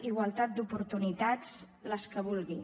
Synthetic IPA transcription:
iɣwalˠt̪at̪̚d̪upuɾt̪unit̪at͡s | ləskəβulˠɣi

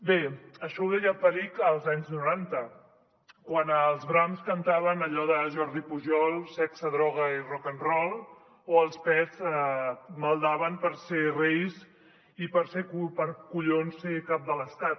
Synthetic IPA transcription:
beəʃɔwðɛjəpəɾikəlˠzaɲznuɾant̪ə | kwanəlˠzβɾamskənt̪aβ̞ənəʎɔðəʒɔɾðipuʒɔlˠsɛksəðɾɔɣ̞əirɔkənrɔlˠ | oəlˠspɛz | məlˠd̪aβəmpəɾserejz | ipəɾsekpəɾkuʎonsekap̚d̪ələst̪at̪

